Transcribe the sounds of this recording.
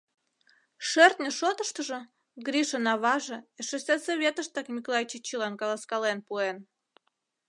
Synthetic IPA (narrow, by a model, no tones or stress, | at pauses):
ʃert̪nʲə̆ʃot̪əʃt̪əʒə̆ | ɡɾiʃənɑβɑʒĕeʃesʲesoβʲet̪əʃt̪ɑkmʲikolˠɑjit͡ɕet͡ɕilɑnkɑlɑskɑlenpuen